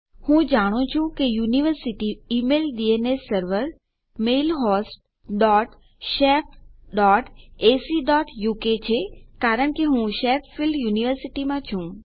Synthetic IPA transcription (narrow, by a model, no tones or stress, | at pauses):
hũd͡ʒaːɽ̃ot͡ʃʰũkejuːniʋəɾsɪʈiːmeːld̪ienesəɾʋəɾ | meːlɦɔːsʈ̚ | ɖɔːʈ | ʃeːp̚ɖɔːʈeːsiɖɔːʈjuːket͡ʃʰekaːɾəɳ̃keɦũʃeːpfɪlɖjuːniʋəɾsɪʈimãt͡ʃʰũ